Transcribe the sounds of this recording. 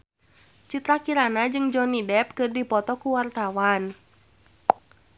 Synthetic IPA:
t͡ʃit̪ɾakiɾanad͡ʒɨŋd͡ʒɔnidɛp̚kɨrdipɔt̪ɔkuwart̪awan

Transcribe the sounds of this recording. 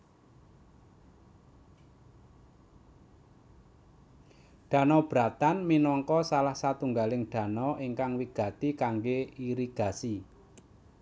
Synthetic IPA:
ɖ̥ä̤nɔb̥ɾat̪anminɔŋkɔsalahsat̪uŋɡalɪŋɖ̥ä̤nɔʔiŋkaŋwiɡ̥ä̤t̪ikaŋɡeiɾiɡ̥a̤si

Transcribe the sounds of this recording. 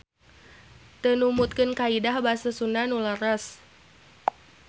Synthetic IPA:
t̪ənumut̪̚kənkaidahbasəsunanulaɾas

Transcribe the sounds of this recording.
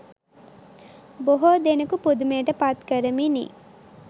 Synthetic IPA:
boɦod̪enəkupud̪umeːʈəpat̪kəɾəminḭː

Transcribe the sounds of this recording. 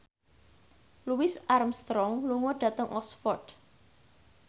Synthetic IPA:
luwɪsʔarmst̪ɾɔŋluŋɔɖ̥ä̤t̪əŋʔɔksfɔrd̪

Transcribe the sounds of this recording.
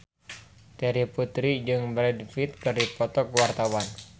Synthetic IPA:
t̪ɛɾiput̪ɾid͡ʒɨŋbɾɛdfit̪̚kɨrdipɔt̪ɔkuwart̪awan

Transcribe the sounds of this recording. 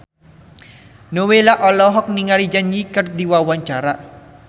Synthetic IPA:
nowelaʔɔlɔɦɔk̚niŋaɾid͡ʒanjikərd̪iwawaɲt͡ʃaɾa

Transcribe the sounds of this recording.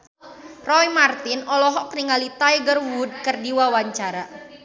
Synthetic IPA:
rɔjmart̪ɪnɔlɔɦɔk̚niŋalit̪ajɡərwud̚kərdiwawaɲt͡ʃaɾa

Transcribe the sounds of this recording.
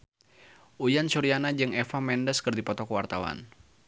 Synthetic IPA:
ʔujansuɾianad͡ʒɨŋɛfamɛndəskɨrdipɔt̪ɔkəwart̪awa̰n

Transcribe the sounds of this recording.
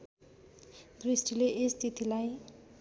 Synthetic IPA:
d̪risʈileʔest̪ʰit̪ilaj

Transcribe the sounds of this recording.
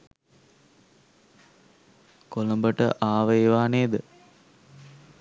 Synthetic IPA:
koləmbəʈə̰ʔaːʋəeʋaːneːd̪ə

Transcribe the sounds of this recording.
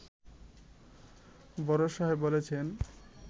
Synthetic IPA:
bɔɾoʃɔɦebolet͡ɕʰen

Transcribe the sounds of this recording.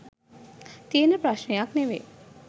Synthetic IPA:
t̪ienəpɾaʃnejakneʋḛ

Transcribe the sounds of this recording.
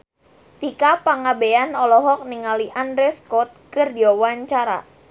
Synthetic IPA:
t̪ikapaŋabeanɔlɔɦɔk̚niŋaliʔandɾɛskɔt̪̚kɨrdiawaɲt͡ʃaɾa̰

